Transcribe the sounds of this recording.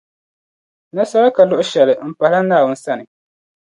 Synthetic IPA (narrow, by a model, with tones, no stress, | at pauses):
na˦sa˦ɾa˦ka˨lʊ˦ʔʊ˦ʃɛ˨lɪ˨m̩˨pa˨la˦naː˦˨wʊ˦n̩˦sa˦nɨ˨